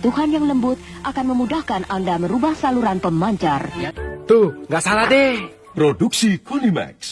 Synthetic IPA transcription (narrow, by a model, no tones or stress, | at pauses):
t̪uhanjaŋləmbʊt̪̚ʔakanməmudahkanʔandaməɾubahsaluɾanpəmaɲt͡ʃart̪uŋɡaʔsalad̪e | pɾoduksikulimɛ̰ks